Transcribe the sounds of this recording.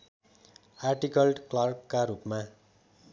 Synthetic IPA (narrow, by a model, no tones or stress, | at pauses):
arʈikʌlɖklʌrkːaɾupma